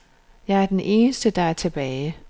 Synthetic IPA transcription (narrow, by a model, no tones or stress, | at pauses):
jɑ̈ɪæɐd̥enʔe̝ːnəsd̥əd̥ɑ̈æɐt͡sʰe̝b̥ɛːɪ